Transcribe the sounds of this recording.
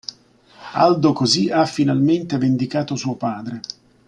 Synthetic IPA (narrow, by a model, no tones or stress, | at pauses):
a̰ld̪okoziafːinalment̪evend̪ikaːt̪osuːopaːd̪ɾe